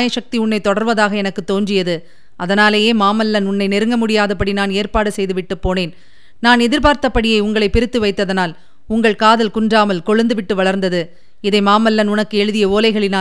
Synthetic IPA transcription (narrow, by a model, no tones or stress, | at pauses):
jɐʂɐk̚t̪iʊɳːɐɪt̪ːɔɽɐɾʋɐðaːɣɐɛnɐkːɯt̪ːoːɲd͡ʒɪjɐðɯ | ɐðɐnaːlɐjeːmaːmɐlːɐnʊɳːɐɪnɛɾɯŋɡɐmʊɽɪjaːðɐpːɐɽinaːneːɾpaːɽɯsɛjðɯʋɪʈːɯpːoːneːn | naːnɛðɪɾpaːɾt̪ɐpːɐɽɪjɐɪʊŋɡɐɭɐɪpɪɾɯt̪ːɯʋɐɪt̪ːɐðɐnaːl | ʊŋɡɐɭkaːðɐlkʊɳdraːmɐlkɔɻɯnd̪ɯʋɪʈːɯʋɐɭɐɾnd̪ɐðɯ | ɪðɐɪmaːmɐlːɐnʊnɐkːɯɛɻɯðɪjɐoːlɐɪɣɐɭɪnaː